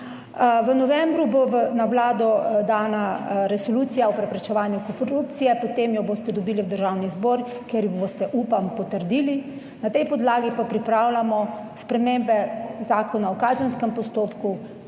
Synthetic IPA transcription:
ʋənɔʋɛmbɾuboʋənawlaːd̪ɔd̪aːnaɾɛsoluːt̪ijaɔpɾɛpɾɛt͡ʃɛʋaːnjukɔɾup̚t̪sijɛpɔt̪emjɔboːst̪ɛd̪ɔbiːliwd̪əɾʒawnizbɔːɾkjeɾjɔboːst̪ɛʔupampɔt̪əɾd̪iːli | nat̪ɛjpɔd̪laːɡipapɾipɾaːwlamɔ | spɾɛmembɛzaːkɔnaɔkaːzənskɛmpɔst̪oːpku

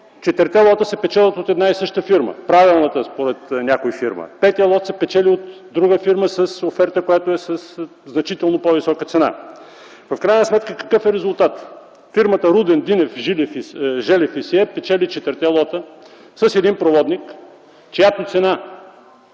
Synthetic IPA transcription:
t͡ʃɛt̪əɾt̪ɛlˠɔt̪əsɛpɛt͡ʃɛlˠət̪ot̪ɛd̪naisɤʃt̪əfiɾmə̰pɾavilˠnət̪əspoɾɛt̪nʲakoifiɾmə̰pɛt̪ijəlˠɔt̪sɛpɛt͡ʃɛliot̪ | d̪ɾuɡəfiɾməsɐsofɛɾt̪əkojat̪oɛsɐs | znɐt͡ʃit̪ɛlˠnopovisɔkət̪sɛna̰ | vəfkɾajnəsmɛt̪kəkɐ̥kɤfɛɾɛzʊlˠt̪at̪ | fiɾmət̪əɾud̪ɛnd̪inɛfʒilfʒɛlɛfisiɛpɛt͡ʃɛlit͡ʃɛt̪əɾt̪ɛlˠɔt̪ə | səsɛd̪inpɾovɔd̪nik | t͡ʃɛjat̪not̪sɛna

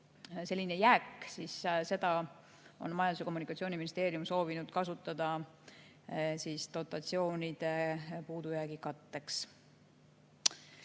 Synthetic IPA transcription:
se̞lʲːine̞jæːkːsisse̞d̪̥ɑ | o̞̰nmɑjɑnd̪useko̞mːunikːˑɑt̪sio̞ːniminist̪e̞ːɾiumso̞ːvinud̪̥̚kɑsut̪ːˑɑd̪̥ɑ | siːst̪o̞t̪ːˑɑt̪sio̞ːnid̪̥e̞puːd̪̥ujæːɡikɑt̪ːe̞ks

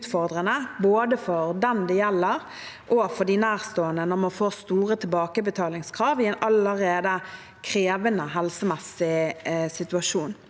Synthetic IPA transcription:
t̪fɔʁd̪ʁənəboːd̪əfɔɾd̪ɛnd̪ɛjɛlːəɾ | ʔɔfɔd̪inæːʁst̪oːənənɔɾmɑnfoːst̪uːʁət̪ʰɪlbɑːkəbət̪ʰɑːlɪŋskʰɾɑːʋɪɛnɑləɾeːd̪ə | kʰɾeːʋənəɦɛlsəmɛsɪsɪt̪ʉɑʂuːn

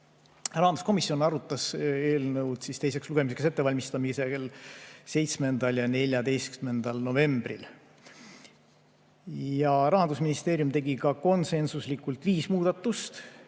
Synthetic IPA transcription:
rɑɦɑnd̪u̥sko̞misjo̞nɑɾut̪ːˑɑse̞ːlnɤwd̪sist̪e̞jse̞ksluɡ̥e̞misekse̞t̪ːevɑlʲmist̪ɑmiselse̞jt̪sme̞nd̪ɑljɑne̞lʲjɑd̪e̞jskyme̞nd̪̥ɑlno̞ve̞mb̥rḭl | jɑɾɑɦɑnd̪usminist̪e̞ːɾjumt̪e̞ɡ̥ikɑko̞nse̞nsuslikːˑult̪viːsmuːd̪̥ɑt̪ːˑust̪

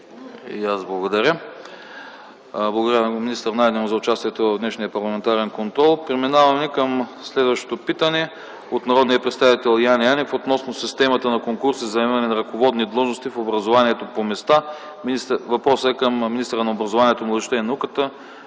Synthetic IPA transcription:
iaszblˠɐɡod̪ɐɾʲə | blˠɡod̪ɾjaminist̪əɾnad̪nɛmʊzɐʊt͡ʃast̪iɛt̪ovɐvd̪nɛʃnijəpɐɾlˠɐmɛnt̪aɾɛnkont̪ɾɔlˠpɾɛminavɐmɛkəmslɛd̪vɐʃt̪o̥t̪opit̪ənɛ | ot̪nɐɾɔd̪nijəpɾɛt̪st̪avit̪ɛlˠjanjanɛfot̪nɔsnosist̪ɛmɐt̪ənɐkoŋkuɾsizɐɛmɐnɛnɐɾɐkovɔd̪nid̪lˠɔʒnost̪ifobɾɐzovaniɛt̪opomɛst̪a | minist̪vɐpɾɔsəɛkəmːinist̪əɾənɐobɾɐzovaniɛt̪onlˠɛʃt̪əinɐukət̪ə

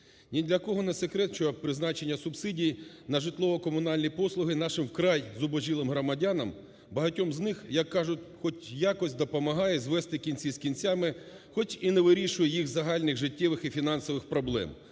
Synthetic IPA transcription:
nʲid̪lʲɐkɔɦɔnɛsekɾɛt̪t͡ʃɔpɾɪznɑt͡ʃenʲːɐsʊbsɪdʲij | nɐʒɪt̪lˠɔʋɔkɔmʊnɑlʲnʲipɔslˠʊɦɪnɑʃɪmwkɾɑjzʊbɔʒilˠɪmɦɾɔmɐdʲanɐm | bɐɦɐtʲɔmznɪxjɐkːɑʒʊtʲxɔtʲjakɔsʲd̪ɔpɔmɐɦɑjɛzʋɛst̪ɪkʲinʲt͡sʲizkʲint͡sʲamɪxɔt͡ʃineʋɪɾʲiʃʊjɛjixzɐɦɑlʲnɪɣʒɪtʲːɛʋɪxifʲinɑnsɔʋɪxpɾɔblˠɛ̰m

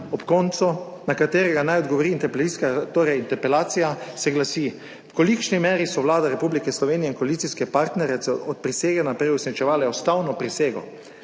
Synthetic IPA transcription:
ɔpkɔnt̪sunakat̪eːɾɛɡanajɔd̪ɡɔʋɔɾiːnt̪ɛpɛliskat̪oːɾɛjint̪ɛɾpɛlaːt̪sijasɛɡlasi | wkɔlikʃnimɛːɾisɔʋlaːd̪aɾɛpublikɛslɔʋeːnijɛinkɔalit̪siskɛpaɾt̪nɛɾjɛt̪sɛɔt̪̚pɾiseːɡɛnapɾɛjusnit͡ʃɛʋaːlɛɔst̪awnɔpɾiseːɡɔ̰

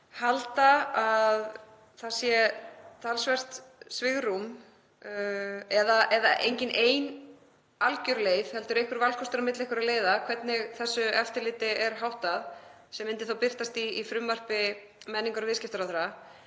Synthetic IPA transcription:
halt̪aað | θaðsjɛt̪ʰalsvɛr̥t̪svɪɣrum | ɛðaʔɛðaʔḛjɲcɪnʔeːjn | alcʏɾleːjvhɛl̪t̪ʏɾejhkvʏɾvalkʰɔst̪ʏɾamɪt̪lehkʏɾaðleːjðakʰvɛt̪nɪɣθɛsːʏɛft̪ɪɾlɪːt̪ɪɛɾ̥ɦawht̪að | sɛmɪnt̪ɪ̥θawpɪr̥t̪ast̪iːfɾʏmvar̥pɪ | mɛnːiŋkʏɾvɪðscɪft̪ʏɾaθɾa

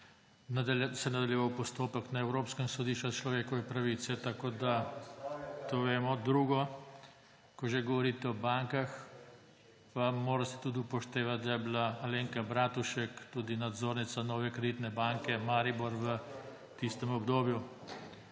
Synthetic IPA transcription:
nsɛnad̪aljɛʋawpɔst̪oːpəknaɛwɾoːpskɛmsɔd̪iʃt͡ʃat͡ʃlɔʋeːkɔʋɛpɾaʋiːt̪sɛt̪akoːd̪a | t̪oːʋeːmɔd̪ɾuːɡɔ | kɔʒeɡɔʋɔɾiːt̪ɛɔbaŋkax | pamoːɾasɛ̥t̪ud̪iupɔʃt̪eːʋat̪̚d̪ajɛblaːleːŋkabɾaːt̪uʃɛkt̪uːd̪inad̪zoːɾnit̪sanɔːʋɛkɾɛd̪it̪nɛbaŋkɛmaɾibɔɾʋə | t̪ist̪ɛmɔbd̪oːbju

